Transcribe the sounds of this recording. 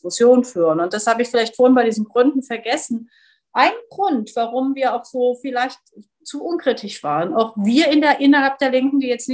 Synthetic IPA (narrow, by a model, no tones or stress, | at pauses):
ɪkʊsjoːnənfyːʁənʊnt̚d̥ashaːbəɪçfɪlaɪçtfoɐhɪnbaɪdiːzn̩ɡʁʏndn̩fɛɐɡɛsn̩ | ʔaɪnɡʁʊntv̥aʁʊmviːɐaʊxz̥oːfɪlaɪçt | t͡suʔʊnkʁ̥itʰɪçv̥a̰ːʁəna̰ʊxviːɐʔɪnʔɪnɐhalp̚d̥eːɐlɪŋkŋ̩diːjɛt͡stnɪ